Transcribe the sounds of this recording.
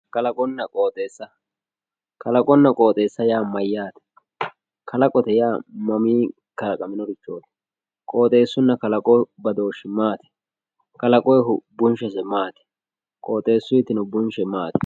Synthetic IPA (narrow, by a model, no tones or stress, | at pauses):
kɐlɐkʼɔnːɐkʼoːt̪ʼe̞ːsːɐ | kʰɐlɐkʼɔnːɐkʼo̞ːt̪ʼe̞ːsːɐjaːmɐjːaːt̪ɛ̥ | kʰɐlɐkʼɔt̪ɛjaːmɐmiː | kɐlɐkʼɐmɪnɔɾɪt͡ʃːoːt̪ɛ̥ | kʼo̞ːt̪ʼe̞ːsːʊnːɐkɐlɐkʼɔbɐd̪o̞ːʃɪmaːt̪ɛ̥ | kɐlɐkʼɔjɦʊbʊnʃɛsɛmaːt̪ɛ̥ | kʼo̞ːt̪ʼe̞ːsːʊjɪt̪ɪnʊbʊnʃɛmaːt̪ɛ̥